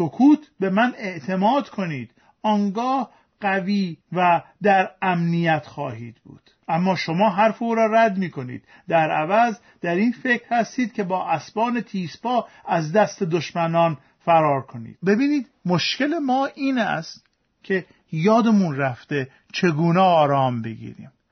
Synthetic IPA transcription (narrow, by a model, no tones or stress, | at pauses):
sokʰuːt̪ʰbe̞mæne̞ʔt̪ʰe̞mɒːd̪̥kʰo̞niːd̪̥ | ɒːŋɡɒːh | ɢ̥æviːvæd̪æɾæmnijæt̪ʰχɒːhḭːd̪bṵːd̪̥ʔæmːɒːʃo̞mɒːɦæɾfeuːɾɒːɾæd̪miːko̞nḭːd̪̥ | d̪æɾævæz | d̪̥æɾiːnfe̞cɾhæst̪iːd̪̚kʲe̞bɒːʔæsbɒːnet̪ʰiːspʰɒːæzd̪æst̪ed̪oʃmænɒːn | fæɾɒːɾkʰo̞nḭːd̪̥be̞biːniːd̪ | mo̞ʃce̞lemɒːʔiːnæ̰st̪ | cʲʰe̞ | jɒːd̪emunræft̪e̞ | t͡ʃʰe̞ɡuːnɛːɾɒːmbe̞ɡḭːɾḭːm